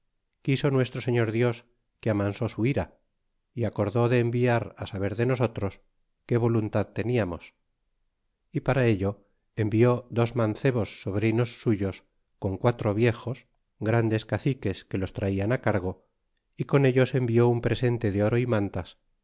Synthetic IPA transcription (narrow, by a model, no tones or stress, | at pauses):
kisonwe̞st̪ɾo̞se̞ɲo̞ɾðjo̞s | keamanso̞suiɾa | iako̞ɾðo̞ðe̞ːmbiaɾasaβ̞e̞ɾðe̞no̞so̞t̪ɾo̞s | ke̞βo̞lunt̪aðt̪e̞niamo̞s | ipaɾae̞ʎo̞ | embio̞ðo̞zmanθe̞βo̞sːo̞βɾino̞sːuʝo̞s | ko̞ŋkwat̪ɾo̞βje̞xo̞s | ɡɾand̪e̞skaθike̞ske̞lo̞st̪ɾaianakaɾɣ̞o̞ | iko̞ne̞ʎo̞se̞mbio̞umpɾe̞se̞nt̪e̞ðeo̞ɾo̞imãnt̪as